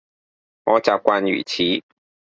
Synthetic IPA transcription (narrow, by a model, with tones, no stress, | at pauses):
ɔ˦t͡ɕa˧kʷwa˧ny̰˨˩t͡ɕʰi˨˦